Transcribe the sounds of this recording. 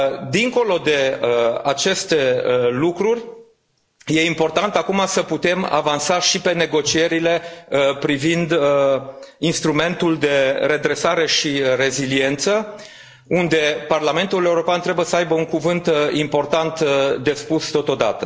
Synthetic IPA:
d̪iŋko̞lo̞d̪e̞əat͡ʃe̞st̪e̞lukɾurʲ | je̞impo̞rt̪ant̪akumasəput̪e̞ma̰vansaʃipe̞ne̞ɡo̞t͡ʃie̞ɾile̞pɾivind̪ | inst̪ɾume̞nt̪uld̪e̞ɾe̞d̪ɾe̞saɾe̞ʃiɾe̞zilie̞nt̪sə | und̪e̞parlame̞nt̪ule̞uɾo̞peant̪ɾe̞bujesəajbəuŋkuvɨnt̪impo̞rt̪ant̪d̪e̞spust̪o̞t̪o̞d̪a̰t̪ə

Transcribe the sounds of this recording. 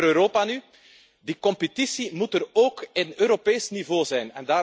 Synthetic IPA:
øːɾoːpany | dikɔmpətisimutəɾoːkɪnøːɾopeːsnivoːzɛjnɛ̰ndaː

